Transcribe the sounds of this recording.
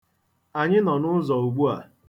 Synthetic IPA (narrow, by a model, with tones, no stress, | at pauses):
a˨ɲɪ˦nɔ˨nʊ˦zɔ˨u˨ɡ͡bu˦a˨